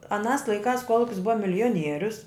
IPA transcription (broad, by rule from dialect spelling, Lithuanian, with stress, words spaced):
ɐˈnɑːs lˠɐɪˈkɑːs ˈkuɔlˠʊkʲɪs ˈbʊʋɐ mʲɪlʲɪjoːˈnʲiɛrʲʊs